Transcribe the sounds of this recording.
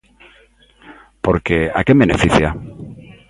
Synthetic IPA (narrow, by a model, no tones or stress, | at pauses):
po̞ɾke̞a̰kemenefiθja